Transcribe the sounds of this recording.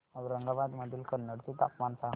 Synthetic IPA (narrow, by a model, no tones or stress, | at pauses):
əʋɾəŋɡabad̪məd̪ʱilkəɾnəɽt̪it̪a̰pmansã